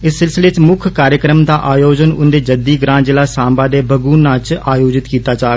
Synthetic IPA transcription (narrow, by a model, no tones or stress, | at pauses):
ɪsːɪlsɪleːt͡ʃmʊkʰkaːɾjəkɾəmd̪aːʔaːjoːd͡ʒənʊ̰nd̪eːd͡ʒəd̪iːɡɾãːd͡ʒɪlaːsaːmbaːd̪eːbʱəɡuːnːãːt͡ʃaːjoːd͡ʒɪt̪kiːt̪aːt͡ʃaːɡ